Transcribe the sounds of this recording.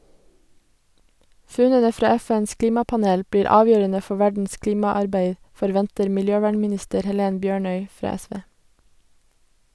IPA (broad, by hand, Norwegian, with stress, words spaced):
ˈfʉnənə ˈfɾɑː ˈɛˌfɛns ˈkliːmɑpɑˌneːl ˈbɽiːɾ ˈɑːʋjøːɾənə ˈfɔ ˈʋæɖn̩s ˈkliːmɑˌɑɾbeɪ fɔɾˈʋɛntəɾ mɪlˈjøːˌʋæːɳmɪˌnɪstəɾ hɛˈleːn ˈbjøːɳœʏ ˈfɾɑː ˈɛˌsʋeː